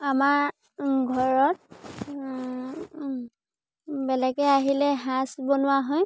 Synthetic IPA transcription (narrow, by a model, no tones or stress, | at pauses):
amaɹ | ɡʱɔɹɔt̚ | bɛlɛɡɛaɦilɛɦãsbonʊwaɦɔj